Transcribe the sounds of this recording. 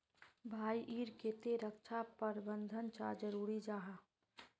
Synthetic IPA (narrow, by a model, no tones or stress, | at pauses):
bʱaːiʔiːɾket̪eɾəkt͡ʃʰapəɾbə̃nd̪ʱənt͡ʃad͡ʒəɾuːɾid͡ʒaːɦaː